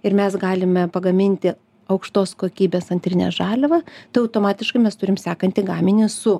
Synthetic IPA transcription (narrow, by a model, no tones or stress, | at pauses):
ɪɾmʲɛsɡɑːlʲɪmʲɛpɐɡɐmʲɪnʲt̪ʲɪ | ɐʊkʃt̪oːskoːkʲiːbʲeːsɐnʲt̪ʲɾʲɪnʲḛsʒɑːlʲɛʋɐt̪ɐɪɐʊt̪oːmɑːt̪ʲɪʃkɐɪmʲɛst̪ʊɾʲɪmsʲæːkɐnʲt̪ʲɪɡɑːmʲɪnʲɪsʊ